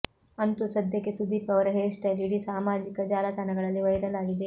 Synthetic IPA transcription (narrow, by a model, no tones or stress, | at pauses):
ɐnt̪usɐd̪ʱjɐkːesud̪iːpɐʋɐɾɐɦeːʂʈɐliɽisaːmaːd͡ʒikɐd͡ʒaːlɐt̪ɐnɐɡɐɭɐlːiʋɐjɾɐlaːɡid̪e